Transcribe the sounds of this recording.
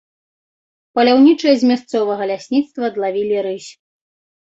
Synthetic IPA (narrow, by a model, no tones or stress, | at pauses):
pɐlʲawnʲit͡ʂɨjɐzʲmʲast̪sɔvɐɣɐlʲasʲnʲit̪st̪vɐd̪lˠavʲilʲiɾɨsʲ